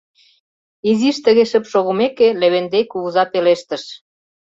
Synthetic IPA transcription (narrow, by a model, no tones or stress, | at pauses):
iziʃt̪ə̆ɣeʃə̆pʃoɣumekeleβend̪ejkuɣuzɑpeleʃt̪ə̆ʃ